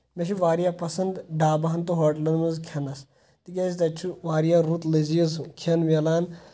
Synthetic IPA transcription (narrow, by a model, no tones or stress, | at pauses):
meʃiʋaːɾijapɐsɐnd̪ɖaːbaɦɐnt̪uɦoːʈlɐnmuzkʰɐnɐs | t̪ikʲɐzt̪ɐt͡ʃʰuʋaːɾijaɾut̪lezijɐzukʰenʋelaːn